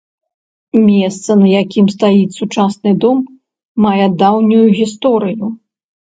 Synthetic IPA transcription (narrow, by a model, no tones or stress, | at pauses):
mʲɛst̪sɐnɐjakʲʰimst̪ajisut͡ʂasnɨd̪ɔmː | ajɛd̪awnʲujuɣʲist̪ɔɾɨju